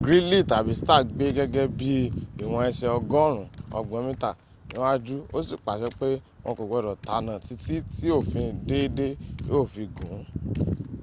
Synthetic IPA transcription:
ɡɾĩ˦li˦˨ta˨bi˨˦sta˦˨ɡ͡be˦ɡɛ˦ɡɛ˦bi˦i˦˨w̃ɔ̃˧ɛ˧ʃɛ˧ɔ˧ɡɔ̃˦ɾ̃ũ˨ɔ̰˧ɡ͡bɔ̃˨˧˦mĩ˦ta˦˨ | nḭ̃˨˦wa˦d͡ʒu˦o˦si˦˨k͡pa˨ʃɛ˧˦k͡pe˦ | w̃ɔ̃˧ko˨ɡɛ˨˦˨ɾɔ˨ta˨˦nã˨ti˦ti˦ti˦o˦˨fĩ˧de˦i˦de˦jo˦˨fĩ˧ɡũ˨˦

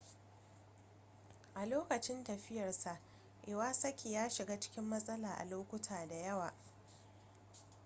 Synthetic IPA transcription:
ʔa˨loː˦kɐ˨t͡ʃɪ˦ntɐ˨ɸɪ˦jɐ˨rsa˨ʔ | ʔɪ˨waː˦sɐ˦kʲʰeː˨jaː˦ʃɪ˨ɡaː˦t͡ʃɪ̥˦kʲɪ˦mːɐ˦sʼɐ˦laː˨ʔa̰˨loː˦kʷʊ˦tʰaː˨da˨jɐ˦waː˨

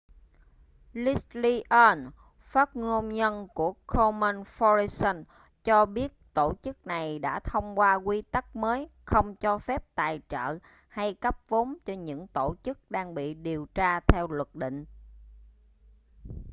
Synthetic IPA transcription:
li˦˥sli˧ʔəː˧n | faː˦˥t̚ŋo˧mɲə˧nku˧˩əkʰo˧mə˧nfɔ˧ɹi˧sə˧n | t͡ɕɔ˧ɓi˦˥ət̚t̪o˧˩t͡ɕɨ˦˥k̚na˨˩jɗa̰ː˧˥t̪ʰə˧wŋ͡mkwaː˧kwi˧t̪ə˦˥k̚məː˨˦jxə˧wŋ͡mt͡ɕɔ˧fɛ˦˥p̚t̪aː˨˩jt͡ɕə̰ː˧˨ | ha˧jkə˦˥p̚vo˨˦ŋ͡mt͡ɕɔ˧ɲɨ̰˧˥ŋt̪o˧˩t͡ɕɨ˦˥k̚ɗaː˧ŋɓḭ˧˨ɗi˨˩əwt͡ɕaː˧t̪ʰɛ˧wlwə˨˩k̚ɗḭ̈˧˨ŋ̟

